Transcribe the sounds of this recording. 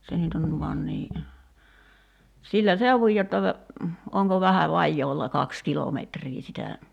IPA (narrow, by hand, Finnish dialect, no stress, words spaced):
se nyt on ʋɑn niː silːæ seuʋuj jotːɑ oŋko ʋæhæ ʋɑjːoːlːɑ kɑks kilometriː sitæ